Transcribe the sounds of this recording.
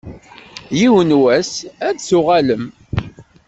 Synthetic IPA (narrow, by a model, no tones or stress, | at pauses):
jiwənwæsæd̪sʊʁæləm